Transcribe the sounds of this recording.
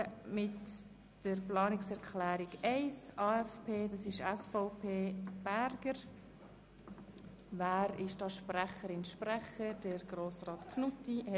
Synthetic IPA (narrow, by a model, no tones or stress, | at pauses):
mɪt | d̥əɾplɑːnɪksɛɾkʰlæːɾɪɡɛɪsɑːɛfpʰeːdɑsɪʃɛsfɔʊpʰeːb̥æɾɡəɾ | væːɾɪʃd̥ɑːʃprɛχəɾɪnʃpɾɛχəd̥əɾɡ̥ɾoːsɾɑːt̪kʰnutih